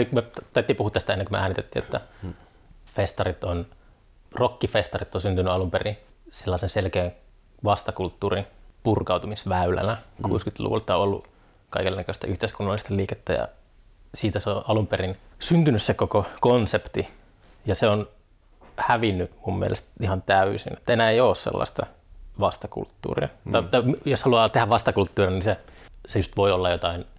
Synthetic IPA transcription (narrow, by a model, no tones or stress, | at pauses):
likmet̪ɑt̪ːiːmpuhuːt̪ːst̪æenːeŋkumḛæːnit̪et̪ːḭːḛt̪ːæ | fest̪ɑrit̪on | rokːifest̪ɑrit̪ːonsynt̪ynːyɑlumperi | selːɑˑisenselkeːŋ | ʋɑst̪ɑkult̪ːuːrinpurkɑut̪umisʋæylæ̰nækṵːskyt̪lṵʋṵlt̪ːɑoolːṵ | kɑikelːnːækøst̪æʔyht̪eiskunːɑlːˑist̪ɑliːket̪ːæ̰jɑ̰ | siːt̪æseoʔɑlumperinsynt̪ynyssekokokonsept̪i | jɑseon | hæʋinːymummḭḛlʔḛst̪ihɑnt̪æysḭnet̪ːæenæːeijoːssḛlːɑ̰st̪ɑ̰ | ʋɑst̪ɑkṵlt̪ːṵːrḭɑt̪ɑit̪ɑimjoshɑluɑːt̪ehæʋʋɑst̪ɑkult̪ːuːrinisesejust̪ʋoiolːɑjot̪ɑin